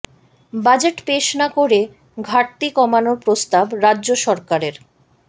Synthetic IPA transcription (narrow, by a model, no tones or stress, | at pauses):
bad͡ʑeʈpeʃnakoɾe | ɡʱaɾt̪ikɔmanoɾpɾost̪abɾadːʑoʃɔɾkaɾeɾ